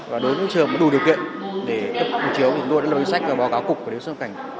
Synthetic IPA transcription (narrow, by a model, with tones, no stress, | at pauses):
vaː˨˩ɗo˨˦jvɨ˨˦t͡ɕɨ̰˧˨˩m˨˩ɗu˨˩ɗi˨˩əwkḭ˧˨ənɗe˧˩t̪ə˦˥p̪̚ə˨˧˨m˨˧˩t͡ɕi˨˦əwi˨˩o˧ɗ̰a̰ː˧˨˩sa˦˥k̚vaː˨˩ɓaː˨˦wka˨˦wkʊ˨˩k͡p̚ku˧˩e˨˦ska˧˩ŋ